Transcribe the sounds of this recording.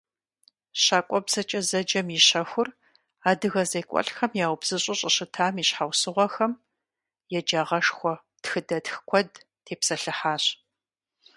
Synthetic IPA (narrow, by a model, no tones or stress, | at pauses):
ɕaːkʷʼɔbzɐt͡ʃʼɐzɐd͡ʒɐmiɕɐxʷʊr | aːdɨɣɐzɐjkʷʼɔ̰ɬxɐmjaːwbz̥ɨɕʼɪɕʼɐɕɨtʰaːmiːɕħawsɨʁʷɔxɐm | jɛd͡ʒaːʁɐʂxʷɔ | txɨdɐtxkʷʰɔd | tʰeːpsɐɬɨħaːɕ